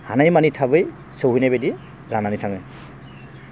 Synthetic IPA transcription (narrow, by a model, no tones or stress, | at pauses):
hanajmanitʰabɯj | sowɦujnabedi | ɡananitʰaŋɯ